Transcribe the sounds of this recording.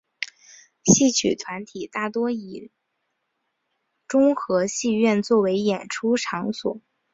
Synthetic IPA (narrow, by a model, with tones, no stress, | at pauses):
ɕi˥˩t͡ɕʰy̰˨˩t̪ʰwa˧˥nt̪ʰi˨˩t̪a˥˩t̪wɔ˥i˨˩ | ʈ͡ʂʊ˥ŋxɤ˧˥ɕi˥˧ɥɛ˥˧nt͡swɔ˥˩we˧˥ɪjɛ˨˩nʈ͡ʂʰu˥ʈ͡ʂʰɑ˧˥ŋswɔ̰˨˩˦